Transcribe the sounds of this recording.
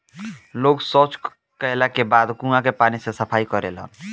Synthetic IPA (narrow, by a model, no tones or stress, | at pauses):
loɡsɔt͡ʃ | kəjlakebad̪kũŋakepanisesəpʰaikəɾḛlɦə̰n